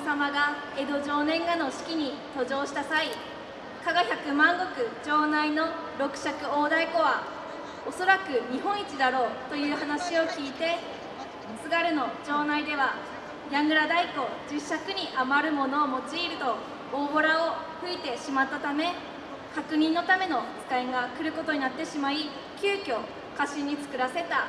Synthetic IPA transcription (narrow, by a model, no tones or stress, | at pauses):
samaɡa | e̞d̪o̞ʑo̞ːnẽ̞ŋɡano̞ɕi̥kʲiɲ̟it̪o̞ʑo̞ːɕi̥t̪asai | kaɡaçakɯ̟mãŋɡo̞kɯ̟d͡ʑo̞ːnaino̞ | ɾo̞kɯ̟̥ɕakɯ̟oːd̪aiko̞βa | o̞so̞ɾakɯ̟ɲ̟iɦõ̞ɰ̃it͡ɕid̪aɾo̞ːt̪o̞jɯ̟ːhanaɕio̞kʲiːt̪e̞ | sɨɡaɾɯ̟no̞d͡ʑo̞ːnaid̪e̞βa | jãŋɡɯ̟ɾad̪aiko̞d͡ʑɨɕːakɯ̟ɲ̟iʔamaɾɯ̟mo̞no̞ːmo̞t͡ɕiːɾɯ̟t̪o̞ | oːbo̞ɾao̞ɸɯ̟it̪e̞ɕimat̪ːat̪ame̞ | kakɯ̟ɲ̟ĩnːo̞t̪ame̞no̞kɨ̥k̪aiɡakɯ̟ɾɯ̟ko̞t̪o̞ɲ̟inat̪ːe̞ɕimai | kʲɨːkʲo̞ | kaɕiɲ̟ːit͡sɨ̥kɯ̟ɾase̞t̪a